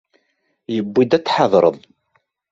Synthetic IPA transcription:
jəbːid̪æt͡sːħɑðˤɾˤə̰ðˤ

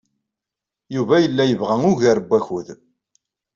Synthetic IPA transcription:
juvæjəlːæjəvʁæŋʊʝæɾbːæçuð

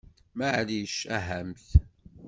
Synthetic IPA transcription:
maʕliʃæɦæmθ

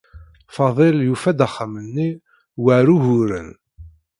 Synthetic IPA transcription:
fɑðˤeljufæd̪əχːəmənːi | wəɾuɦʊɾə̰n

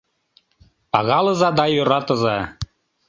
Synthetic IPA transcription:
pɑɣɑlɤ̆zɑd̪ɑjøɾɑt̪ɤ̆zɑ

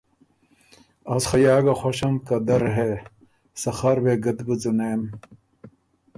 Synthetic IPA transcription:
ɐsxɐjaːɡɐxoɕɐmkɐd̪ɐɾɦe | sɐxɐɾweɡɐd̪bɨd͡zuneːm

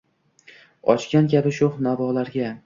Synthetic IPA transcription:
ɒ̰t͡ʃkʲankʲʰabɪʃʊχnavɒlaɾɡʲa

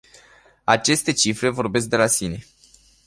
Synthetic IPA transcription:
at͡ʃe̞st̪e̞t͡ʃifɾe̞vo̞rbe̞s̬k̚d̪e̞lasine̞

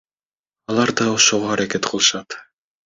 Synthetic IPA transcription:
ɑlˠɑɾd̪ɑoʃoʁoɑɾaket̪qʰɯlˠɯʃɑt̪

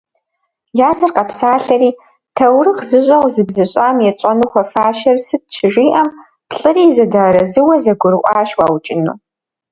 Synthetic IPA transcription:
jaːzɐrqɐpsaːɬɐriː | tʰɐwrɨqzɨɕʷʼɐwʷzɨbzɐɕʼaːmjɛt͡ʃʼɐnuxʷɐfaːʃɐrsɨt̚t͡ʃʰɪʒiːʔɐm | pɬʼɨriːzɐdaːɾɐzɨwɐzɐɡʷʊɾɨʔʷʼaːʃwa̰ːwt͡ʃʼɪnṵː

